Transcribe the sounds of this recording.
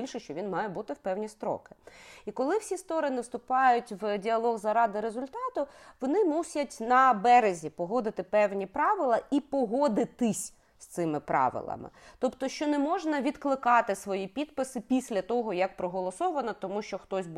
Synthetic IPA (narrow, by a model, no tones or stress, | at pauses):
ilʲʃɛʃt͡ʃɔʋʲinmɑjɛbut̪ɪwpɛwnʲist̪ɾɔ̰kɪ̥ikɔlˠɪwsʲist̪ɔɾɪnɪwst̪ʊpɑjʊtʲʋdʲiɐlˠɔɣzɐɾɑd̪ɪɾezʊlʲt̪ɑt̪ʊʋɔnɪmusʲɐtʲnɐbɛɾezʲipɔɦɔd̪ɪt̪ɪpɛwnʲipɾɑʋɪlˠɐipɔɦɔd̪ɪt̪ɪsʲ | st̪sɪmɪpɾɑ̰ʋɪ̰lˠɐ̰mɪ̰t̪ɔpt̪ɔʃt͡ʃɔnɛmɔʒnɐʋʲid̪klˠɪkɑt̪ɪsʋɔjipʲid̪̚pɪsɪpʲisʲlʲɐt̪ɔɦɔjɐk̚pɾɔɦɔlˠɔsɔʋɐnɐt̪ɔmuʃt͡ʃɔxt̪ɔsʲb